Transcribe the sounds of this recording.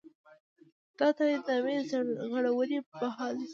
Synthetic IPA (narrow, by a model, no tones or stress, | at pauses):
d̪̥ɑt̪ajɪd̪ɑmezɣəɽawəɾibaɦɑl